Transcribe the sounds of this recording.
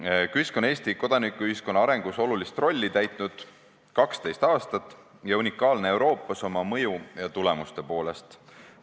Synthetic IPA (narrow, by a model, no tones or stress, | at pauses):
kyisko̞ne̞ːst̪iko̞d̪̥ɑnikːˑuyhisko̞nːɑɑɾe̞ŋɡ̥uso̞lulist̪ro̞lʲːit̪æjt̪ˑnud̪̥ | kɑkst̪e̞jst̪ɑːst̪ɑt̪ːˑ | jɑunʲikːˑɑːlne̞e̞wɾo̞ːpːˑɑso̞mɑmɤ̞jujɑt̪ule̞must̪e̞po̞ːle̞st̪